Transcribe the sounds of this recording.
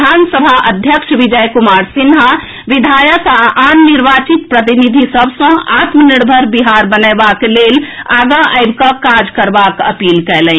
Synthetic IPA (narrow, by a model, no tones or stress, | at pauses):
ansəbʱaʔəd̪ʱjəkʃbid͡ʒəjkumaɾsinɦa | ʋid̪ʱajət̪aʔanːiɾbat͡ʃit̪̚pɾət̪inid̪ʱisəbʱsə̃at̪məniɽbʱəɾbiɦaɾbənəjbakelelaɡəʔaɪbkəkad͡ʒkəɾbakə̰pilkɛlɛ̃